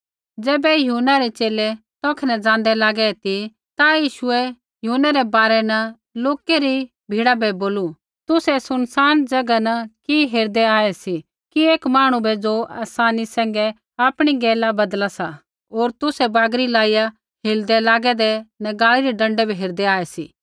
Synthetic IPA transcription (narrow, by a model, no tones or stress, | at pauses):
d͡ʒɛːbɛjʊnaɾɛt͡ʃeːlɛ | t̪ɔ̃ːkʰɛnɛd͡zãːnd̪ɛlaːɡɛt̪i | t̪ajiːʃʊɛ | jʊɦunaɾɛbaːɾɛnɐ | loːkeɾi | bʱiːɽabʱɛboːlu | t̪ʊsɛsʊnsaːnd͡ʒɐɡanɐkiɦeːɾd̪ɛaːɛsi | kieːkmaːɽ̃ũbɛd͡ʒoa̰ːsaːnisɛ̃ːŋɡɛ | aːpɽ̃iɡɛːlabɐd̪lasa | oːɾt̪ʊsɛbaːɡɾilaːija | ɦɪːld̪ɛlaːɡɛd̪ɛnɛɡaːliɾiɖɐ̃ɳɖɛbʱiɦeːɾd̪ɛaːɛsḭː